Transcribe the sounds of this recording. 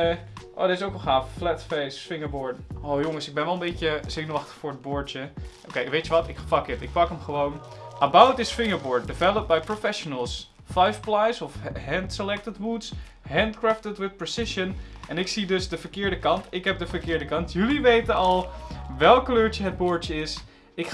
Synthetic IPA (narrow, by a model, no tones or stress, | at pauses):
ʔo̰ːdəɪsowkəlˠχaːfflɛtfejsfɪŋəɹbʊːɹdowjoŋəsɪɡ̚bɛnʋɛlˠə̃mbejt͡ʃəsɪnəɑχtə̥χfʊːɹəd̚bʊːɹt͡ʃəʔowkejʋejtəʋɑtɪkfɑkətɪk̚pɑkəmχəʋownʔəbawtɪsfɪŋəɹbɔːɹt̚dɪvɛlˠəp̚bajpɹofɛʃonəlˠs | fajfplajsɔfɦɛntsəlɛk̚tədmuts | ɦɛndkɹaftətwɪθpɹosɪʃənɛnɪksidɵzdəfəɹkɪːɹdəkɑntɪkɦɛp̚dəvəɹkɪːɹdəkɑntʰjɵliʋejtənɑlˠʋɛlˠkkːløːɹt͡ʃəɦəd̚bʊːɹtt͡ʃəɪs | ɪk